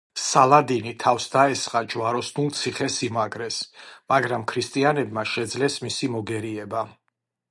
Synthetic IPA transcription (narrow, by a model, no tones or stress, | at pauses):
salˠad̪init̪ʰafsd̪aɛsχʼad͡ʒwaɾɔsnulˠt̪sʰiχɛsimaɡɾɛsmaɡɾamkʰɾist̪ʼianɛbmaʃɛd̪zlɛsmisimɔɡɛɾiɛba